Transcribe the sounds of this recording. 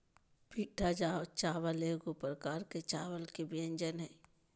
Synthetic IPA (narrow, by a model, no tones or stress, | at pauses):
piːʈʰad͡ʒat͡ʃaːʋəleːɡopɾəkaːɾket͡ʃaːwəlkebiə̃ɲd͡ʒənɦɛː